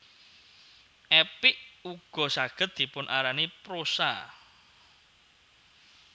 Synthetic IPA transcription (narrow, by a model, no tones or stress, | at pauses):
ʔɛpɪʔuɡ̥ɔ̤saɡ̥ə̤t̪̚d̪̥i̤pʊnʔaɾanipɾosa